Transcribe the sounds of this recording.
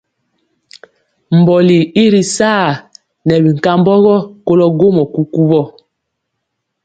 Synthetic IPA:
m̩˨bɔ˨li˨i˦ɾi˨saː˦˨ | nɛ˨bi˨ŋ̩˨ka˦mbɔ˦ɣɔ˦ko˦lɔ˦ɡo˦mɔ˨ku˦ku˦βɔ˦˨

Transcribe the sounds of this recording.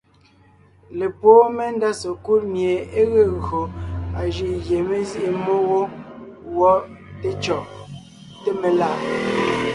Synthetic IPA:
le˨poː˦me˦n˦da˦so˨ku˦lmje˨e˦ɣe˦ɣɰo˨a˨ʒi˨ʔɣje˨me˦zi˦ʔe˨mo˦ɣo˦wɔ˦ | te˦t͡ʃɔ˨ʔ | te˦me˨la˦˨

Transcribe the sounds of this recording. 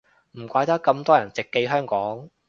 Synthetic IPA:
m̩˨˩kʷaː˧jt̪ɐ˥kːɐ˧mt̪ɔː˥jɐ˨˩nt͡sɪ˨kːe˧jɦœː˥ŋkɔː˨˥ŋ

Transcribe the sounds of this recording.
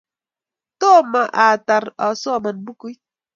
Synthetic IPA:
to˦˨ma˨ʔa˨ta˨ɾa˨sɔ˦˨ma˨nbu˦ku˦j

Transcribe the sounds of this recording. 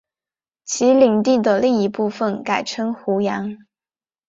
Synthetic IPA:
t͡ɕʰi˧˥li˨˩ŋt̪i˥˩d̪ə˩li˥˩ŋi˧˥pu˥˩fə˨˩nka˨˩ɪʈ͡ʂʰɤ˥ŋxu˧˥jɑ˧˥ŋ

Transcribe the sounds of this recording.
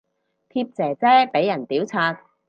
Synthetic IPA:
t̪ʰiː˧p̚t͡sɛː˨˩t͡sɛː˥pe˨˥jːɐ˨˩nt̪iː˨˥wt͡sʰaː˧t̚

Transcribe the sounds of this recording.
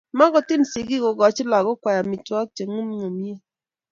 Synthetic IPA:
ma˦ɡɔ˨tɪ˦˨n˨si˨ɡi˦ɡɔ˨ɡɔ˨t͡ʃɪ˦la˨ɡɔ˦kwa˨ja˨mi˨twɔ˦k̚t͡ʃe˨ŋu˦m˦ŋo˨mi˦e˦˨

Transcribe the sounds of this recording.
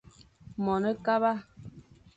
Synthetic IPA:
mɔ˨nə˦ka˦ba˦

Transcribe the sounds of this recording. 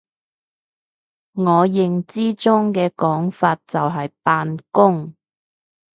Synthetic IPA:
ŋɔː˨˧jɪ˨ŋt͡siː˥t͡sʊ˥ŋkɛː˧kɔː˨˥ŋfaː˧t̚t͡sɐ˨wɦɐ˨jpaː˧nkʊ˥ŋ

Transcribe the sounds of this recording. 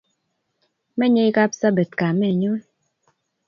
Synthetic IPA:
mɛ˦ɲe˦i˦ka˦psa˦bɛ˨tka˨mɛ˦˨ɲo˦

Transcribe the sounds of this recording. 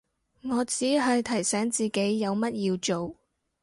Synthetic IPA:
ŋɔː˨˧t͡siː˨˥ɦɐ˨jt̪ʰɐ˨˩jsɛː˨˥ŋt͡siː˨ke˨˥jːɐ˨˧wmɐ˥t̚jiː˧wt͡ʃo˨w

